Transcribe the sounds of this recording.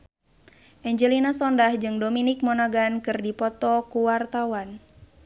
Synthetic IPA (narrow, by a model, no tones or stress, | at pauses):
ʔɛɲd͡ʒɛlinasɔndahd͡ʒɨŋdominik̚mɔnaɡankɨrdipɔt̪ɔkuwart̪awan